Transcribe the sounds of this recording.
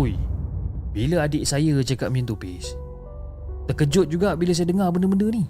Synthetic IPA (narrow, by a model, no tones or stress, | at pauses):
uj | biləadɪʔsajət͡ʃaka̰t̪̚mint̪upɪs | t̪əkəd͡ʒʊt̪̚d͡ʒuɡaʔbiləs̬ajədəŋarbəndəbəndəni